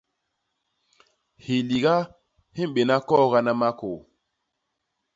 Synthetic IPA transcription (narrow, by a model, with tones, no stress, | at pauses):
hi˨li˨ɡa˦ | hi˦m˨ɓe˨na˦kɔ˦˨ɣa˦na˦ma˦ko˨